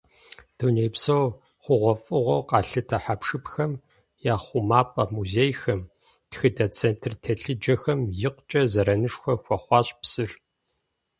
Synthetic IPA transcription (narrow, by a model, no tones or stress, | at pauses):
d̥oːneːjpsow | χʷʊʁʷɔfʼɨʁʷɔqɑːɬɨtʰɐħapʂɨpxɐm | jaːχʷʊmaːpʼɐmuzeːjxɐm | txɨdɐt͡sʰeːntʰrtʰɐɬɨd͡ʒɐxɐmjɪqʷt͡ʃʼɐzɐɾɐnɨʂxʷɐxʷɔχʷɑːɕʼpsɨr